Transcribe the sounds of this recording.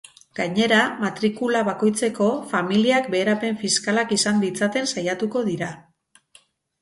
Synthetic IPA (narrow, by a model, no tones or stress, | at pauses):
ɡ̥aɲe̞ɾamat̪ɾikulaβako̞jt͡se̞ko̞familiak̚be̞ːɾape̞ɱfiskalakisand̪it͡sat̪e̞nsajat̪uko̞ðiɾa